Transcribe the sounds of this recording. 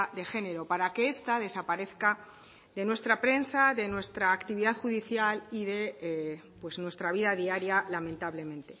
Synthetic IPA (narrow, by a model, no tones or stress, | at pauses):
ðe̞xe̞ne̞ɾo̞paɾake̞e̞st̪aðe̞sapaɾe̞θka | d̪e̞nwe̞st̪ɾapɾe̞nsaðe̞nwe̞st̪ɾaːkt̪iβiðaðxuðiθjaliðe̞pwe̞snwe̞st̪ɾaβ̞iðaðiaɾjalamẽ̞nt̪aβle̞mẽ̞nt̪e̞